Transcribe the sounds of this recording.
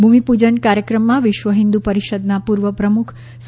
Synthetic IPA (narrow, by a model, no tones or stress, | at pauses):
bʱumipud͡ʒəɳkaɾjəkɾəmːãʋɪʃʋəɦɪ̃nd̪upəɾiʃəd̪napuɾʋəpɾəmukʰ | s